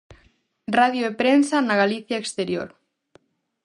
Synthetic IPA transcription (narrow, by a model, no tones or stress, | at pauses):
raðjoepɾensanaɣaliθjaekst̪eɾjo̰ɾ